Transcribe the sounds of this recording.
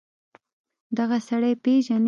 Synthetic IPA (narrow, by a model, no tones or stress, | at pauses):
d̪aɣasaɽəjpeʒan